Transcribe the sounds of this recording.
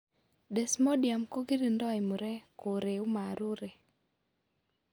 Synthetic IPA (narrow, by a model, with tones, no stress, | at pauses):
dɛ˨smɔ˦dɪja˨mko˦ɡi˦ɾi˨ndɔ˦ɪ˨mu˨ɾɛ˦ko˨ɾe˨u˦ma˨ɾu˦ɾɛ˨